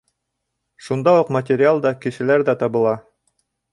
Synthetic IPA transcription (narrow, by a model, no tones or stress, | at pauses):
ʃund̪ɑuqmɐtʲɪɾʲɪalˠd̪ɑkɘ̆ʃɘ̆læɾðæt̪ɑβɤ̆lˠɑ